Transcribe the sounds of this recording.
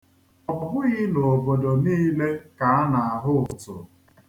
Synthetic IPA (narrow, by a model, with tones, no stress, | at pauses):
ɔ˨bʊ˨ɦʊ˦ɣɪ˦no˨bo˨do˨niː˦le˦ka˨a˦na˨a˨ɦʊ˦ʊ˨tʊ̰˨